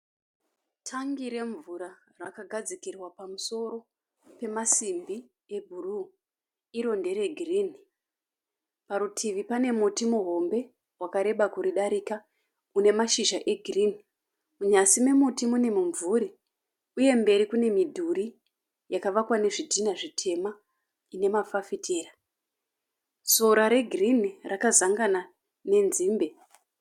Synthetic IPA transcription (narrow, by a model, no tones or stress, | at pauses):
tʰaŋɡiɾe̞ɱvuɾa | rakaɡʱad͡zikirwapamuso̞ɾo̞ | pe̞masimbi | e̞bʱuru | iɾo̞nde̞ɾe̞ɡʱiriːni | paɾutʰiʋipane̞mutimuɦo̞mbe̞ | wakaɾe̞ɓakuɾiɗaɾika | une̞maʃiʒaʔeɡʱiriːni | uɲasimemutimune̞muɱvuɾi | uje̞mbe̞ɾikune̞midʱuɾi | jakaʋakwane̞ʐidʱinaʐitʰe̞ma | ine̞mafafitʰeːra | so̞ɾaɾe̞ɡʱrinirakazaŋɡana | ne̞nziːmbe̞